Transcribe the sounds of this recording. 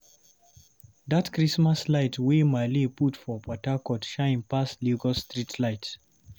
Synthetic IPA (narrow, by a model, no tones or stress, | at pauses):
ðatkɹismaslaɪtʰwemaliputfɔpʰɔtakɔtʃãɪ̃npasliɡɔstɹitʰlaɪt